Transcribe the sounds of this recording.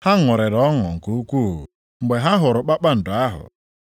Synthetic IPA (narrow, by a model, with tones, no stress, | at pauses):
ha˦ŋʊ˨ɾe˨ɾɔ˦ŋɔ˨ŋ̩˨ku˦u˦kʷṵ˦˨ | ŋ͡m̩˨ɡ͡be˨ɦa˦ɦʊ˨ɾʊ˨k͡pa˦k͡pa˦n̩˨dʊ˨a˦ɦʊ̰˨